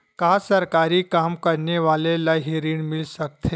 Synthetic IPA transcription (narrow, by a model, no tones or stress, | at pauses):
kasəɾkaɾiːkamkəɾneʋalelaɦiɾiːɳmilsək̚t̪ʰe